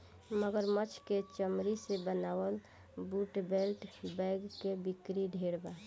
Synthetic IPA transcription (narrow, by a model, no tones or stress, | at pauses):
məɡəɾmət͡ʃʰket͡ʃəmɾisebənawəl | buʈbelʈbɛɪɡkebikɾiɖʱeɽba